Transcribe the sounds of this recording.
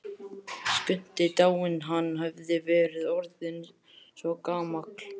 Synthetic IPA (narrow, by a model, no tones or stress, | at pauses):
skʏn̥t̪ɪt̪aːwɪnɦanːɦœvðɪvɛːɾɪðɔɾðɪn | svɔkaːmakl̥